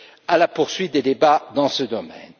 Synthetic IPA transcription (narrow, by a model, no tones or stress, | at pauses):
alapuʁsɥit̪̚d̪ed̪ebad̪ɑ̃səd̪ɔmɛ̰n